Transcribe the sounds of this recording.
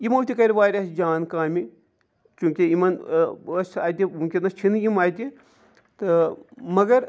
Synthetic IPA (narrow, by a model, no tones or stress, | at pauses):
imɐwt̪ʲikɐɾʲiʋaːɾʲɐsd͡ʒaːnkaːmi | t͡ʃũːkʲiimɐnɐsa̰ːjt̪ʲiukʲinɐst͡ʃʰinimaːjt̪ʲi | t̪ɨmɐɡɐɾ